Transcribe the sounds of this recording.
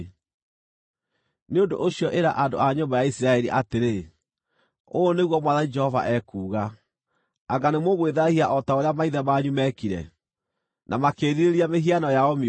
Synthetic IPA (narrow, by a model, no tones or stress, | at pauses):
neondo̰ʔoɕjɔʔeɾa̰ʔando̰aɲombajaisiɾaɛɾiʔateɾe | oneɣwɔmwaðanid͡ʒɛhɔva̰ʔɛkuːɣaː | ŋɡanemoɣweðahiaʔɔtaoɾeamaiðɛmaɲumɛkiɾɛ̰ | nʔamakeːɾiɾeɾiameɦianɔjaɔm